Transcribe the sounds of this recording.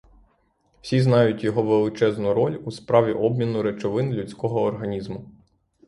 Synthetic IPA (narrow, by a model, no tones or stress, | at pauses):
w̥sʲiznɑjʊtʲjɔɦɔʋelˠɪt͡ʃɛznʊɾɔlʲuspɾɑʋʲiʔɔbmʲinʊɾet͡ʃɔʋɪnlʲut͡sʲkɔɦɔːrɦɐnʲizmʊ